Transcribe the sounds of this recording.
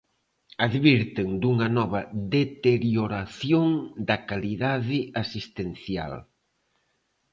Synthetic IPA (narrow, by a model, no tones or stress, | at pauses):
aðβiɾt̪ɪŋd̪uŋɐnɔβɐðet̪eɾjoɾaθjoŋd̪ɐkaliðaðɪasist̪enθja̰l